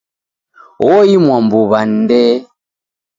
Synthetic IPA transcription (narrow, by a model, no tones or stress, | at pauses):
wɔimwambuβan̩dɛ